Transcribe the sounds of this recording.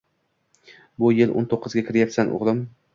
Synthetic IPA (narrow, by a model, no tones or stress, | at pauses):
bʊjɪlʔo̰nt̪ʰoqːɨzɡʲakʰʲɪɾjapsanʔʊ̰ʁlˠɪm